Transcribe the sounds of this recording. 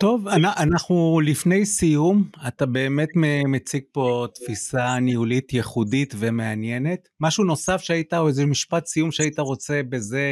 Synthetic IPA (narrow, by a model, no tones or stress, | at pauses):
t̪o̞vanaʔanaχnulifne̞jsijumatabe̞ːme̞tmemet͡siɡ̚po̞t̪fisaniulit̪jeχudit̪ve̞me̞anjene̞t̪ | maʃuno̞safʃeaitaoezemiʃpat̪sijumʃeaitaʁo̞t͡se̞be̞ze̞